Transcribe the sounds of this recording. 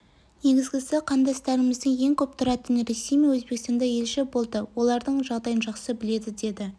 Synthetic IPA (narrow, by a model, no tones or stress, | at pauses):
ne̞ɡʲɪzɡʲɪsɪqʰɑnd̪ɑst̪ɑɾɪmɪzd̪əŋje̞ŋkʲʰɵp̚t̪ʰʊɾɑt̪ənɾe̞sejmejwɵzbekst̪ɑnd̪ɑje̞lʃɪbo̞lˠd̪əwo̞lˠɑɾd̪əɴʒɑʁd̪ɑjənʒɑqsəbɪle̞d̪ɪd̪e̞d̪ɪ